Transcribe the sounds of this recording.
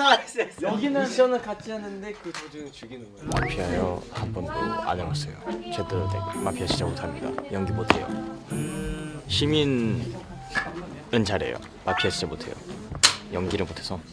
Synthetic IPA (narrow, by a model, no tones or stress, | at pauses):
uɡinɯnɕʌnɯɭkat͡ɕ͈iɦanɯnde̞kɯtod͡ʑiŋt͡ɕuɡin | ma̰pʰiɦajʌhanbʌndoa̰ɲʌŋas͈ejot͡ɕedɯɾɯdeɡomapʰiaɕʰid͡ʑamotʰamɲida̰jʌŋɡimotʰe̞̰jo̰ | ɕʰimin | ɯnt͡ɕaɾe̞̰jo̰ | mapʰiɦaɕʰid͡ʑamotʰe̞̰jo̰jʌŋɡiɾɯɭmotʰesʰʌ